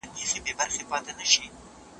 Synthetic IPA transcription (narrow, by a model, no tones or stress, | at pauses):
kixebebaɾxepɑt̪anaʃi